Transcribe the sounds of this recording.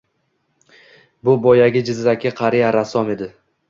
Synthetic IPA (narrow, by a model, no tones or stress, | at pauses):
bʊbɒjaɡʲɪd͡ʒɪzːakʲɪqʰɑɾijaɾasɒme̞d̪ɪ